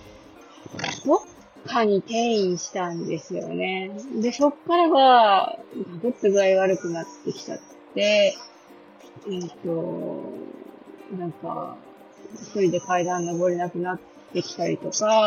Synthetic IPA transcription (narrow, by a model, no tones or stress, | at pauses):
d̪̥o̞kʰː | aɲ̟it̪ẽ̞ɰ̃ĩɕi̥t̪ãnd̪e̞sɨjo̞̰ne̞d̪e̞so̞kːaɾaɡa | ɡ̪aɡɯt̪ːaɡɯaiɡaːɾɯ̟kɯ̟nat̪ːe̞kʲi̥t̪a̰tːe̞ | ɯ̃t̪o̞ | nãŋka̰ | ç̥t̪o̞ɾʲid̪e̞kaid̪ãnːo̞ɡo̞ɾʲe̞nakɯ̟nat̪ːe̞kʲi̥t̪aɾʲḭt̪o̞ka